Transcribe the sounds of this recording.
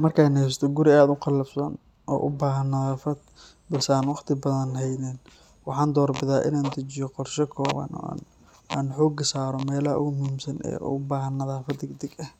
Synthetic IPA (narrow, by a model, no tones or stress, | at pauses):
mɐrkʰajnhɛjst̪ʰɔɡʊɾɪaːd̪ʊqɑlɐbsɐn | ʔɔ̰ːʔʊ̰baːɦɐnːɐðaːfɐd̪̚ | bɐlsɛaːnwɑqt̪ʰɪbɐðɐnɦɛjnɛn | wɑħɑːnd̪ɔːrbɪðaːʔɪ̰naːnd̪ɐt͡ʃɪjɔqɔrʃɛkʰɔːβɐ̰nɔ̰n | aːnħɔːɡɐsaːɾɔmɛːlɐɐ̰ʔʊ̰ɣʊmʊhimsɐnɛ̰ːʊbaːɦɐnːɐðaːfɐd̪ɪɡd̪ɪɡɐh